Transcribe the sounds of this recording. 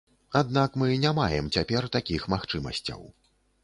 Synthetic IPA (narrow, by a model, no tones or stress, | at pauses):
ad̪nakmɨnʲamajɛmt͡sʲapʲɛrt̪akʲixmaxt͡ʂɨmɐ̰sʲt͡sʲɐ̰w